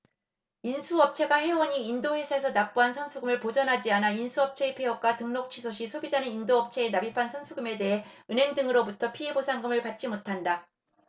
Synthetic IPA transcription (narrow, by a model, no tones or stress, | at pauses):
insʰuʌp̚t͡ɕʰe̞ɡaɦe̞wʌɲiːndohwe̞sʰaes̬ʰʌnap͈uansʰʌnsʰuɡɯmɯɭpod͡ʑʌnɦad͡ʑianainsʰuʌp̚t͡ɕʰe̞epʰeʌk͈watɯŋnok̚t͡ɕʰisʰoɕ̬ʰisʰobid͡ʑanɯnindoʌp̚t͡ɕʰe̞ːnabipʰansʰʌnsʰuɡume̞de̞ɦe̞ɯne̞ŋdɯŋɯɾobutʰʌpʰiɦe̞bosʰaŋɡɯmɯɭpat̚t͡ɕ͈imotʰanda